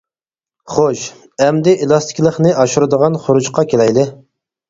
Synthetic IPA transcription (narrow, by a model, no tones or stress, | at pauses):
χoʃ | ɛmd̪ɪʔelˠɑst̪ʰɪ̥kʲlˠəχnɨʔɑʃuɾɨd̪əʁɑnχʊɾud͡ʒqɑkʲʰelɛjlɪ